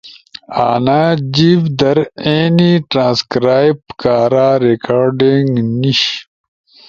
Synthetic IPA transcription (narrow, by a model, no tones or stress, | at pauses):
aːnaːd͡ʑivd̪ɐɾeːniʈɾãːnskɾaːjpkaːɾaːɾekaːɾɖiŋɡniɕ